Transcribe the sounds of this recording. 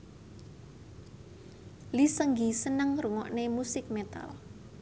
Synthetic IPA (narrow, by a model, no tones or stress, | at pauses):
lisəŋɡisənəŋruŋɔʔnemusɪk̚met̪a̰l